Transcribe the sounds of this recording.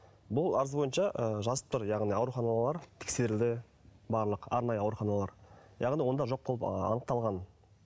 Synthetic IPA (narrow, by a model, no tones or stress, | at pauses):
bʊlˠɑɾəzbo̞jənʃɑʔəʒɑzəpt̪əɾjɑʁnijɑwɾuχɑnɑlˠɑɾt̪ʰɪ̥kʲse̞ɾɪld̪ɪ | bɑɾlˠəqɑɾnɑjəɑwɾuχɑnɑlˠɑɾjʔɑʁnijwo̞nd̪ɑʒo̞q̚bo̞lˠəpɑ̰nəq̚t̪ɑlˠʁɑn